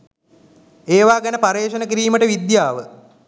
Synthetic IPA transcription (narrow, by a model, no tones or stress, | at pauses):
eːʋaːɡanəpaɾeːʃənəkiɾiːməʈəʋid̪jaːʋə